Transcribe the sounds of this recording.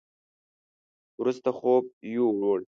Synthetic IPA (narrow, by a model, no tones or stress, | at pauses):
wɾust̪aχob̚juɾoɽ